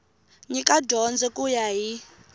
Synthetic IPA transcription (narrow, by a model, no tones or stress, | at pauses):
ɲikʼadʱɔnd͡zɛkʼujaɦi